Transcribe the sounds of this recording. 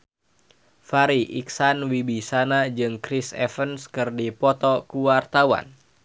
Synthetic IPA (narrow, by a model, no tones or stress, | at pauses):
faɾiʔiksanwibisanad͡ʒɨŋkɾisɛ̰fənskɨrdipɔt̪ɔkuwart̪awa̰n